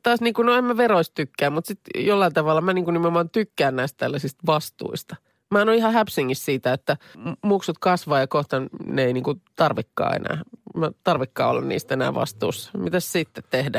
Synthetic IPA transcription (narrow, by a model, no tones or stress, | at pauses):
t̪ɑːsniːŋkunoemːæʋeroistt̪ykːæːmmut̪sit̪jolːɑint̪ɑʋɑlːɑmæniːŋkunnimeomɑːnt̪ykːæːnnæist̪t̪ælːæsist̪ʋɑst̪ṵist̪ɑ | mæɑnoihɑhæpsiŋːissiːt̪æet̪ːæmuksut̪kɑsʋɑːjɑkoht̪ɑnneeiniːŋkut̪ɑrʋikːɑ̰ːḛnæ̰ːmæt̪ɑrʋikːɑ̰ːo̰lːɑ̰nnḭːst̪enæ̰ːʋɑ̰st̪ṵːsːɑ̥mit̪æssit̪ːet̪t̪ehdæ